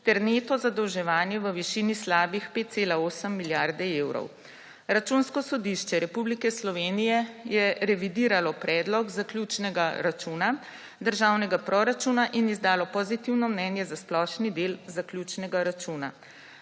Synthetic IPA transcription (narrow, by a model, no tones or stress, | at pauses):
t̪ɛɾneːt̪ɔzad̪ɔwʒɛʋaːnjɛʋəʋiʃiːnislaːbixpeːt̪̚seːlaoːsəmːiljaɾd̪ɛeːwɾɔ̰w | ɾat͡ʃuːnskɔsɔd̪iʃt͡ʃɛɾɛpublikɛslɔʋeːnijɛjɛɾɛʋid̪iːɾalɔpɾɛːd̪lɔɡzaklʲjut͡ʃnɛɡaɾat͡ʃuna | d̪əɾʒaːwnɛɡapɾɔɾat͡ʃuːnaʔinizd̪aːlɔpɔzit̪iwnɔmnɛːnjɛzasplɔʃnid̪elzakljuːt͡ʃnɛɡaɾat͡ʃuːna